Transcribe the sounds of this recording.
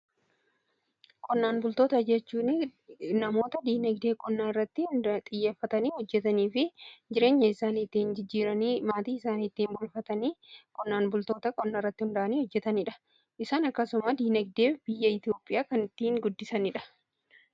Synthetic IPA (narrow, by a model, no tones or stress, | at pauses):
kʼɔnːaːnbʊlt̪o̞ːt̪ɐd͡ʒɛt͡ʃːuːnɪnɐmo̞ːt̪ɐd̪iːnɛɡd̪e̞ːkʼɔnːaːnɪrːɐt̪ːɪnt̪ʼɪjːeːfːɐt̪ɐniːhɔd͡ʒːɛt̪ɐniːfɪd͡ʒɪɾe̞ːɲːɐɪsaːnɪt̪ːiɪnd͡ʒɪd͡ʒːiːɾɐniːmaːt̪iːɪsaːniɪt̪ːiːmbʊlfɐt̪ɐniːkʼɔnːaːnbʊlt̪o̞ːt̪ɐkʼɔnːaːrːɐt̪ːɪhʊnd̪ɐʔɐniːhɔd͡ʒːɛt̪ɐnɪᶑɐ̥ | ʔɪsaːnɐkːɐsʊmɐd̪iːnɛɡ̚d̪e̞ːb̥ɪjːɐɪt̪ɪjo̞ːpʼːɪjaːkɐnɪt̪ːiːŋɡʊd̪ːɪsɐnɪᶑɐ̥